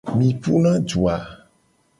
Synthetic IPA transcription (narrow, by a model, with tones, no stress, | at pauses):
mĩ˨pu˦nã˦d͡ʒu˨a˨